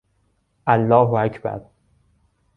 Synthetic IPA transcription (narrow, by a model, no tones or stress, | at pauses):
ʔælːɒːɦoæcʰbæ̰ɾ